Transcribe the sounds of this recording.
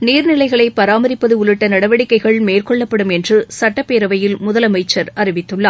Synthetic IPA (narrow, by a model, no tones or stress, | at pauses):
niːɾnɪlɐɪɣɐɭɐɪpːɐɾaːmɐɾɪpːɐðɯʊɭɯʈːɐnɐɽɐʋɐɽɪkːɐɪɣɐɭmeːrkɔɭːɐpːɐɽɯmɛndrɯsɐʈːɐpːeːɾɐʋɐjɪlmʊðɐlɐmɐɪt͡ʃːɐɾɐrɪʋɪt̪ːɯɭːɐː